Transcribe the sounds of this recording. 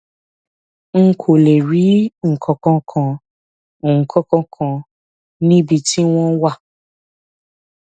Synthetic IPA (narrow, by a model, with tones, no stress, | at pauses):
ŋ̩˦kʰo˨le˨ɾi˨˦ŋ̩˨kʰɔ̃˨kɔ̃˧kʰã˧˨ | ŋ̩˨kʰɔ̃˧kɔ̃˧kʰã˧ | nĩ˦bi˧ti˦w̃ɔ̃˦wa˦˨